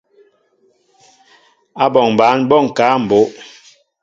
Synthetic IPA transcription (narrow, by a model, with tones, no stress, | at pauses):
a˦bɔ˨ŋ˨baː˨˦nbɔ˦˨ŋ̩˨kaː˨˦m̩˨bo˨˦ʔ